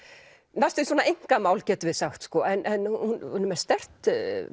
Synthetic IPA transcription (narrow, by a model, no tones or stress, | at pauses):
θast̪ʏsɔːnaʔejŋ̥kamaːwlcɛːt̪ʏvɪðsaxt̪skɔɛnʔɛnhunhunʏmɛɾst̪ɛr̥t̪